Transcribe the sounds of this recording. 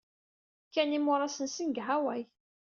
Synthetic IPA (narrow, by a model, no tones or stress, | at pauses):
kːænimʊɾˤɑsənsinɡɦawæj